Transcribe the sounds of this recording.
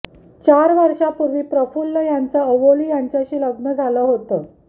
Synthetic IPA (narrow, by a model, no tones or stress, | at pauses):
t͡ɕaɾʋəɾɕapuɾʋiːpɾəfulːəjant͡səəʋolijaɲt͡ɕjaɕiːləɡnəd͡zʱaləɦot̪əː